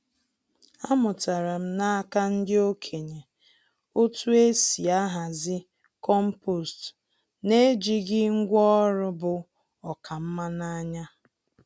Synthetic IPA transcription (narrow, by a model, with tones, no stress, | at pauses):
a˦mʊ˨ta˨ɾa˨m̩˦na˦ka˦n̩˦dɪ˦o˦kʰe˨ɲe˨ | o˦tu˦e˦si˨a˦ɦa˨zɪ˦ | kɔ˦m̩˦po˨st | ne˦d͡ʒi˦ɡɪ˦ŋ̩˦ɡʷɔ˦ɾʊ˦bʊ˦ | ɔ˨kʰa˨m̩˦ma˦na˦ɲa˦